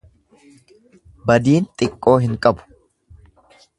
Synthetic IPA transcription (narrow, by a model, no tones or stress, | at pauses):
bɐd̪iːnt̪ʼɪkʼːo̞ːɦɪŋkʼɐbʊ̥